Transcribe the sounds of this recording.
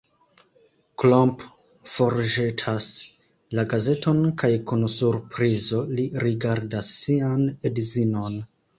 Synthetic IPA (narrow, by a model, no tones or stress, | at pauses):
klomp | fo̞ɾʒetʰas | laɡaze̞to̞nkajkunsuɾpɾizo̞liɾiɡaɾdasːianedzino̞n